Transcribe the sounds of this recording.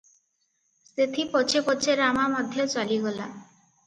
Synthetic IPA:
set̪ʰipɔt͡ʃʰepɔt͡ʃʰeɾamamɔd̪ʱjɔt͡ʃaliɡɔla̰

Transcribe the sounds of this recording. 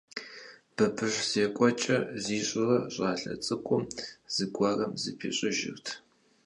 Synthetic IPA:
b̥ɐbʰɨʂz̥eːkʷʼɔt͡ʃʼɐziːɕʼɪrɐɕʼaːɬɐ̰t͡sʼɨkʷʼʊmz̥ɨɡʷɐrɐmzɨ̰pʰeːɕʼɪʒɪ̰rtʰ

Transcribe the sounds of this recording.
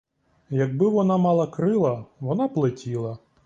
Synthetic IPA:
jɐɡ̚bɪʋɔnɑmɑlˠɐkɾɪlˠɐʋɔnɑplˠetʲilˠɐ

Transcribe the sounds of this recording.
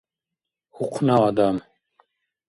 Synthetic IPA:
huqʰnaːd̪am

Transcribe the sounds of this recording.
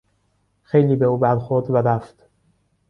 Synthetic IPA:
xejliːbe̞uːbæɾxoɾd̪væɾæft̪

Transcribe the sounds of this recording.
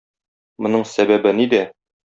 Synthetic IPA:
mŏnɤɴsæbæbɘnid̪æ

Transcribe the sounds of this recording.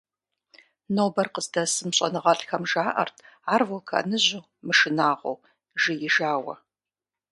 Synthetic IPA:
noːbɐrqəzdɐsɨmɕʼɐ̰nɨʁɐɬxɐmʒaːʔɐ̰rtʰaːrvolkʰɐ̰nɨʑu | mɨʃɪnaːʁʷo̰w | ʒɪjɪʒaːwɐ̰

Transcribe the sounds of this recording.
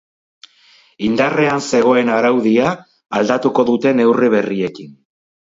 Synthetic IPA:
ind̪areanse̞ɣ̞o̞e̞naɾawðiaː | ld̪at̪uko̞ðut̪e̞ne̞wriβ̞e̞rie̞kin

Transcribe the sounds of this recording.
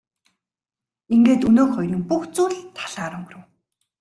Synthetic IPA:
iŋɡeːt̪ɵnoːχɔjrĭŋpuxt͡suːɮt̪ʰḁɮaːɾʊŋɡ̆rɘ̆w

